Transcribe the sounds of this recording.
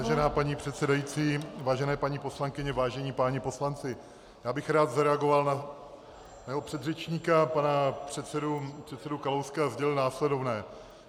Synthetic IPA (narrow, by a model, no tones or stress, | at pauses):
vaːʒɛnaːpaɲiːpr̝̥ɛt̪sɛdajiːt͡siːvaːʒɛnɛːpaɲiːpo̞slaŋkɪɲɛvaːʒɛɲiːpaːɲɛpo̞slant͡sɪ | jaːbɪxɾaːt̪zaɾɛaɡo̞valna | naɛɦopr̥ɛd̪rɛt͡ʃɲiːkapanapr̝̥ɛt̪sɛdupr̥ɛt̪sɛdukalowskazɟɛlɪlnaːslɛdo̞vnɛː